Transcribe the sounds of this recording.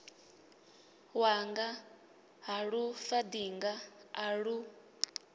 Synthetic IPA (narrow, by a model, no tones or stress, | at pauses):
waŋɡa | ɦaɺufad̪iŋɡaaɺu